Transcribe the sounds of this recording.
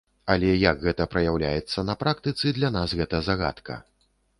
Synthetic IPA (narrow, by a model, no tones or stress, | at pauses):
alʲɛjɐɡɣɛt̪ɐpɾɐjawlʲa̰jɛt̪sːɐnɐpɾakt̪ɨt̪sɨd̪lʲanasɣɛt̪ɐzaɣa̰t̪kɐ̰